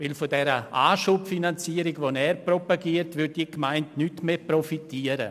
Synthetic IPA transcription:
ʋɪlfodɛɾəʔaːʃuːpfinant͡siəɾɪɡʋonɛːɾprɔpaɡiːəɾtʋʏd̚diːkmaɪntnyːtmeːprɔfitiəɾə̰

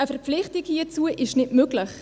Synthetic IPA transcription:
əfɛɾpp͡fflɪχtikhiət͡suəʔɪʃnɪtmøɡlɪχ

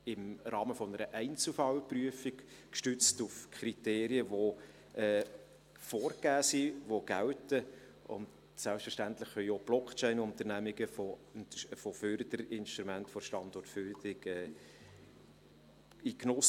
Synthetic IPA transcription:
ɪmɾɑːməfɔnəɾəʔɛɪnt͡sl̩fɑwpryəfɪk | kʃtʏt͡stufkʰχɾiteːɾiəʋo | ɛː | fɔːrɡæːsiʋoɡ̥æwtə | ʊ̰nd | sælpstfəɾʃtæntlɪχœjob̥lɔkt͡ʃɛɪnʊnt̪əɾnæmɪɡəfo | fɔføɾd̪əɾɪnʃtɾumæntfɔʃtɑndɔrtfyɾd̪ɪɡɛː | iknɔs

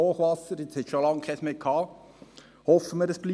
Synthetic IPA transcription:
oːχʋɑsəɾjɪt͡shɛtʃolɑŋkʰɛsmeːkʰɑː | hɔfəməɾəsb̥li

